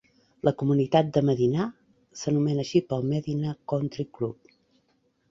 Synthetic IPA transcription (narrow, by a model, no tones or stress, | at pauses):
lʔəkumunit̪at̪̚d̪əməðina | sənumɛnəːʃipəlˠmɛðinakɔnt̪ɾiklup̚